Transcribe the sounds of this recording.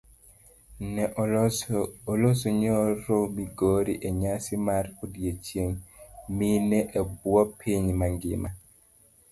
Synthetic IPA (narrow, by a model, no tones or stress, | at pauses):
nɛ | olosoɲoɾomiɡoɾiʔeɲasimaɾodijet͡ʃjeŋminɛʔebwɔpʰiɲmaŋɡɪ̰ma